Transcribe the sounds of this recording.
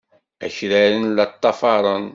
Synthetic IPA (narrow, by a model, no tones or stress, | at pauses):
æʃɾæɾənlæt̪ˤːɑfɑɾˤən